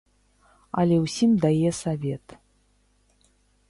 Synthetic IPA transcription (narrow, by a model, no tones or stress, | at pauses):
ɐlʲɛwsʲimd̪ajɛsavʲɛt̪